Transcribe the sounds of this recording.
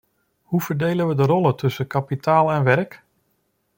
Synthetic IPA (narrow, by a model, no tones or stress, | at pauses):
huvəɹdejlənʋədərɔlˠətʰɵsəkapitaːlˠɛnʋɛrk